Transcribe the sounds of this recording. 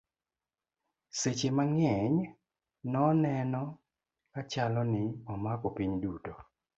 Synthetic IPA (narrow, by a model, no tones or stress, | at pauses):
set͡ʃemaŋɛɲ | nɔnɛnɔ | kat͡ʃalɔnɪɔmakɔpiɲduto